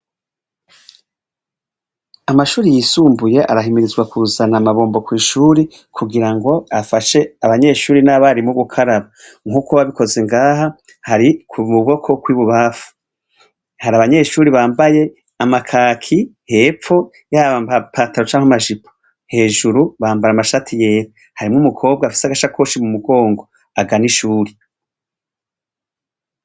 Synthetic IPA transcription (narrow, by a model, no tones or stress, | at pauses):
amaʃuːɾijiːsuːmbuje̞ʔa̰ɾaɦimiɾizɡwakuzanamaβo̞ːmbo̞kwiːʃuːɾi | kʰuɡiɾaŋɡo̞afaʃe̞aβaɲe̞ʃuːɾinaβaɾimuɡukʰaɾaβa | ŋuːkoβaβikʰo̞ze̞ŋɡaːɦa | haɾikʰumuβo̞kʰo̞kwiːβuβaːfu̥ | haɾaβaɲe̞ːʃuːɾiβaːmbaje̞ | amakʰaːkʰiheːp͡fo̞ | jaaβambapʰataɾo̞t͡ʃaːŋamaʒipʰo̥ | he̞ːʒuɾuβaːmbaɾamaʃatʰije̞ːɾ | haɾimŋumukʰo̞ːb̚ɡafi̥saɡaʃakʰoʃimumuɡo̞ːŋɡo̞ | aɡaniʃuːɾi